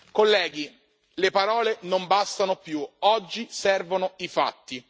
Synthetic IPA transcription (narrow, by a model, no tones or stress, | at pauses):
kolːɛːɡi | lepaɾɔːlenombast̪anopjuɔd͡ʒːisɛrvonoifa̰t̪ːi